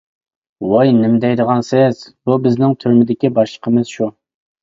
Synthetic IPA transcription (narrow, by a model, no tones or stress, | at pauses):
wɑjnɪmd̪ɛjd̪əʁɑnsɪz̥bubɪznɪŋt̪ʰøɾmɪd̪ɪkʲibɑʃlˠə̥qʰəmɨz̥ʃu